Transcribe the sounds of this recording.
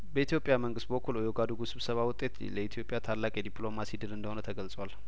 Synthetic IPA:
bəit̪jo̞pʼjaməŋɡɨst̪̚bəkʰːulojoɡad̪uɡusɨβsəβawʊt̪ʼːe̞t̪ləit̪ʰijo̞pʼːjat̪ʰalːakʼjɛd̪ipʼlo̞masid̪ɨlɨnd̪əhonət̪ʰəɡəlsʼwal

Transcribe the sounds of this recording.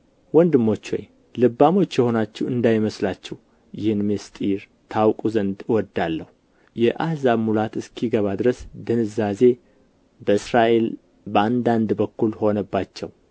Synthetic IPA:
wɔnd̪ɨmːo̞t͡ʃːo̰j | lɨbːamo̞t͡ʃːjɛho̞nat͡ʃːɛwɨnd̪ajməslat͡ʃːɛw | jɪhɨnmest̪ʼiɾ | t̪ʰawkʼuzənd̪wɔd̪ːalːəhu | jɛʔahzaβmulat̪ɨskʰiɡəβad̪ɨɾəsd̪ɨnɨzaze̞ | bəɨsɾaʔe̞l | bəand̪and̪bəkːulho̞nəbːat͡ʃːɛ̰w

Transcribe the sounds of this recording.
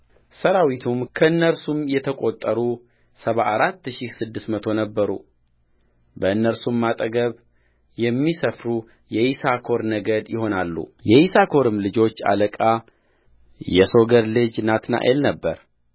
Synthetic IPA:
səɾawit̪ʰumkʰəɨnːəɾsumjɛt̪ʰəkʼo̞t̪ʼːəɾu | səβaʔːɾat̪ːʃisɨd̪ːɨstmət̪ʰo̞nəbːəɾṵ | bəɨnːəɾsumːat̪ʼəɡəβ | jɛmːisəfɾu | jɛhisakʰo̞ɾnəɡəd̪jɪho̞nalːṵjɛhisakʰo̞ɾɨmlɨd͡ʒo̞t͡ʃːa̰ləkʼa | jɛso̞ɡəɾlɨd͡ʒnat̪na̰ʔelnəbːəɾ

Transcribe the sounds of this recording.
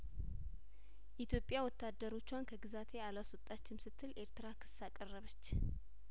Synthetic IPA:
ʔit̪ʰjo̞pʼːjawɔt̪ʰːad̪ːəɾo̞t͡ʃːwankʰəɡɨzat̪ʰe̞alwasɔt̪ʼːat͡ʃːɪnsɨt̪ʰːɨlʔe̞ɾt̪ɨɾakʰɨ̥sːakʼərːəβət͡ʃː

